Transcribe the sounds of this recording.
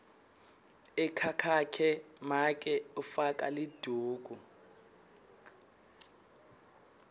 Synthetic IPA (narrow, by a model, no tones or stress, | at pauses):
ɛkʰakʰakʰɛmak̬ʼɛufak̬ʼa̰lid̥ʱuːɡ̥ʱu